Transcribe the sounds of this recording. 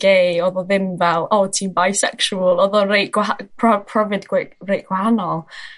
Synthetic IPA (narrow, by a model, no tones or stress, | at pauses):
ɡ̥eɔðɔðɪmvɛlˠɔtʰiːnbajsɛkʃuəlˠɔðɔrejʔɡ̥wapʰɔpʰrɔvɨdɡwrejʔɡ̥whanɔlˠ